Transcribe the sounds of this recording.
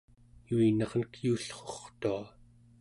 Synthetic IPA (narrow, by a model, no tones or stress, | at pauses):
juinʌʁnkjuːɬχoχt̪ua